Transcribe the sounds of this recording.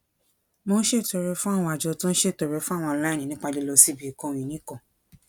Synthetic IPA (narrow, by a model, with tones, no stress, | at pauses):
mo˧˦ʃe˦˨to˧ɾe˧fũ˦a˦˨w̃ɔ̃˧a˨d͡ʒɔ˧tũ˦ñ̩˦ʃe˦˨to˧ɾe˧fũ˦a˦˨w̃ɔ̃˧la˦˨ĩ˨nĩ˦k͡pa˧de˦lo˧si˦bi˨kɔ̃˦˧˨w̃ĩ˨nĩ˦kɔ̃˨